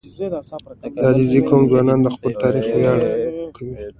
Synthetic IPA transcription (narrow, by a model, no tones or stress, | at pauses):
d̪ɑd̪izikomzwɑnɑnd̪əxpəlt̪ɑɾixwjɑɽkʰawi